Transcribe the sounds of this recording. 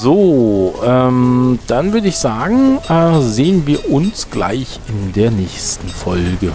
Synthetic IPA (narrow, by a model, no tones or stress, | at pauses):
zoːʔɛmd̥anvʏɐdəɪçz̥aːɡŋ̩ʔɛːzeːənviːɐʔʊnsɡ̥la̰ɪç | ɪndeːɐnɛːçstn̩fɔlɡə